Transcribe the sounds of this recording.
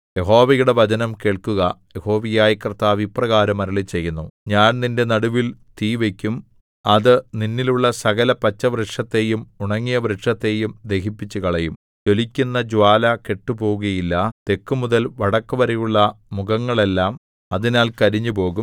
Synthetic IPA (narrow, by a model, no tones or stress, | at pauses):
je̞ɦo̞ːʋɐjuɽe̞ʋɐd͡ʑɐnɐmke̞ːɭkuɣɐje̞ho̞ːʋijaːjikrt̪ːaːʋiprɐɣaːɾɐmɐɾɐɭit͡ɕe̞jːunːuɲaːnninde̞nɐɽuʋilt̪iːʋe̞kʲːum | ɐðɨninːiluɭːɐsɐɣɐlɐpɐt͡ɕːɐʋreʈʂɐt̪ːe̞jumuɳɐŋːijɐʋɾeʈʂɐt̪ːe̞jumd̪e̞hipːit͡ɕːukɐɭejum | d͡ʑo̞likʲːunːɐd͡ʑwaːlɐke̞ʈːupo̞ːɣuɣɐjilːɐt̪e̞kːumuðɐlʋɐɽɐkːuʋɐɾejuɭːɐmuɣɐŋːɐɭe̞lːaːm | ɐðinaːlkɐɾiɲːupo̞ːɣum